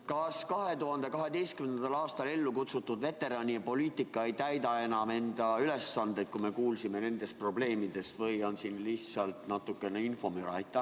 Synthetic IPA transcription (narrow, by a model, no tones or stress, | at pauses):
kɑskɑɦe̞t̪uɦɑnd̪̥e̞kɑɦe̞d̪e̞jst̪kymenen̥ɑlɑːst̪ɑle̞lːukut̪sut̪ːud̪ve̞t̪ːe̞ɾɑnʲiɑpo̞liːt̪ˑikˑːɑejt̪æjd̪ɑe̞nɑme̞nd̪̥ɑyle̞sːɑnd̪e̞d̪̥̚kume̞kuːlsime̞ne̞nd̪e̞spro̞ble̞ːmid̪̥e̞svɤjo̞nsinlisɑlt̪nɑt̪ːˑukːe̞neinfo̞myɾɑjt̪ːˑɑ